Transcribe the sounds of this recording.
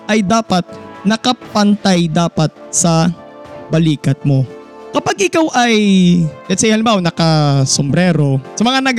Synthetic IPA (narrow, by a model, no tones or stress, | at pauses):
ʔɐjd̪aːpɐt̪̚nɐkɐpɐnt̪ajd̪aːpɐt̪̚sɐ | bɐliːkɐt̪̚mo̞ | kɐpaɡʔɪkawʔɐjnɛd̪sɐʔɪhanɪbaʔonɐkɐsombɾɛːɾo̞sɐmɐŋanɐɡ